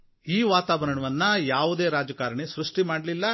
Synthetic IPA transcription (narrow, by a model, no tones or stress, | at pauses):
iːʋaːt̪aːbɐɾɐɳɐʋɐnːɐjaːʋud̪e̞ːɾaːd͡ʒɐkaːɾɐɳesɾuʂʈimaːɽlilːɐ